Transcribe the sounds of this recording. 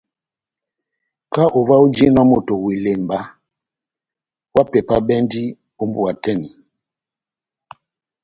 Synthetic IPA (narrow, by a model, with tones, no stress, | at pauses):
ka˦ʔo˨va˦u˦d͡ʒi˦nɔ˦mo˨to˨wi˨le˨mba˦ | wa˦pɛ˨pa˦bɛ˦ndi˦ | o˦mbu˦a˨tɛ˦ni˨